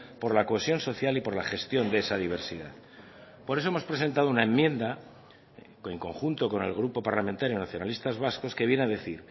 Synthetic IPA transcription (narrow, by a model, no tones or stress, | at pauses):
po̞ɾlakoe̞sjo̞nso̞θjalipo̞ɾlaχe̞st̪jo̞nd̪eesaðiβ̞e̞ɾsiða̰ð | poɾeoemospɾe̞se̞nt̪aðunae̞mːjẽ̞nd̪a | e̞ŋko̞ŋxunt̪o̞ko̞ne̞̰lɣ̞ɾupo̞paɾlamẽ̞nt̪aɾjo̞naθjo̞nalist̪azβasko̞ske̞βje̞naðe̞θiɾ